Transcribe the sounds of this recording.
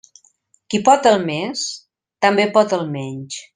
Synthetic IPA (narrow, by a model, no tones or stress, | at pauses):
kipɔt̪əlˠmes | t̪əmbepɔt̪əlˠmɛɲt͡ʃ